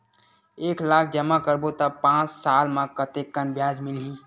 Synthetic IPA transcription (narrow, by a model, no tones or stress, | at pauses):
eːklaːkʰd͡ʒəmakəɾbot̪apãːt͡ʃsaːlmãkət̪ekːənbjaːd͡ʒmɪliː